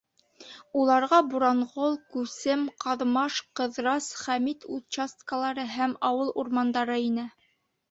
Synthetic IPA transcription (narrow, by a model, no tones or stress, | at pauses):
ulˠɑɾʁɑbuɾɑɴʁolˠkʉsɘmqɑðmɑʃqɤ̆ðɾɑsχæmit̪ut͡ɕast̪kəlˠɑɾɤɦæmɑwɤlˠuɾmɑnd̪ɑɾɤinɘ